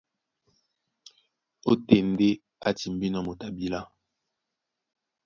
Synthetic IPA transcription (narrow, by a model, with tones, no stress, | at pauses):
o˦te˨nde˦ | a˦ti˨mbi˦nɔ˦˨mo˨ta˨bi˦la˦